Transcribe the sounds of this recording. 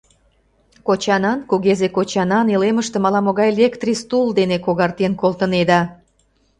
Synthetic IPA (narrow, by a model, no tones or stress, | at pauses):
kot͡ɕɑnɑnkuɣezekot͡ɕɑnɑneleməʃt̪ĕmɑlɑmoɣɑjlʲekt̪rʲist̪uld̪enekoɣɑrt̪enkolt̪əned̪ɑ